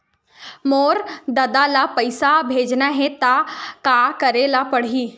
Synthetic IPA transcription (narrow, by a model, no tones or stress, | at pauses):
moːɾd̪ɐd̪alapɐɪsabʱeːd͡ʒnaɦɛ̃t̪akaːkɐɾeːlapɐɽ̤iː